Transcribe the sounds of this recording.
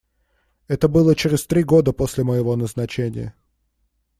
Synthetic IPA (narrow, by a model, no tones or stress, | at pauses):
ɛt̪əbɨlˠət͡ɕɪɾʲɪsʲt̪ɾʲiɡo̞d̪əpo̞sʲlʲɪməjɪvo̞nəznɐt͡ɕenʲɪ̰jə̰